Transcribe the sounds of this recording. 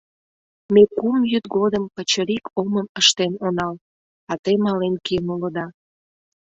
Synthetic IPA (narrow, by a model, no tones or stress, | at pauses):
mekumjyt̪ɡod̪əmpət͡ɕəɾikoməməʃt̪enonɑl | ɑt̪əjmɑlenkenuləd̪ɑ